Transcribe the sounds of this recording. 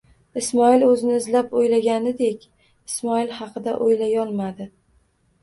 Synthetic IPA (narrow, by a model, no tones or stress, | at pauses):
ɪsmɒɪlɵzɪnɪɪzlapojlaɡʲanɪd̪e̞kʲ | ɪsmɒɪlhɑqʰɨd̪aʔojlajɒlˠmad̪ɪ